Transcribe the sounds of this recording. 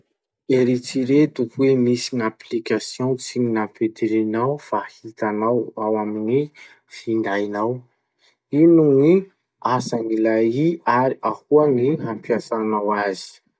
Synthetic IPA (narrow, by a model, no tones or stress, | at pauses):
eɾit͡siɾet̪uhwemisiŋaplikasjõt͡siɲinaped̪eɾenawfahit̪anawawamini | find̪ajnaw | inuni | asaŋilajiaɾiahuaŋiɦampiasanawazi̥